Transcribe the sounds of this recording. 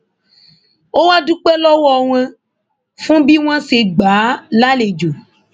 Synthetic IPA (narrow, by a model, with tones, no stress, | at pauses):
wo˦wa˦du˦k͡pɛ˦lɔ˦wɔ˨w̃ɛ̃˦ | fũ˦bi˦w̃ã˦se˨ɡ͡ba˨˦la˦le˨d͡ʒo˨